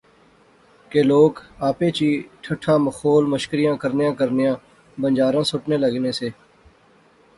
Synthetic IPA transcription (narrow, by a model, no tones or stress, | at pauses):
keːloːkaːpeːt͡ʃiːʈʰəʈʰːaːməxoːlməʃkɾɪjãːkəɾnɪjãːkəɾnjãː | bənd͡ʒaːɾãːsʊʈneːləɡneːseː